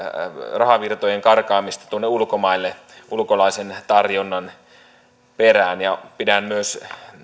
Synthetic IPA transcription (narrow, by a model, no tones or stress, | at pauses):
rɑhɑʋirt̪ojeŋkɑrkɑːmist̪ɑ̥t̪uonːeulkomɑilːe | ʔulkolɑisent̪ɑrjonːɑn | peræːnjɑpidæmmyøs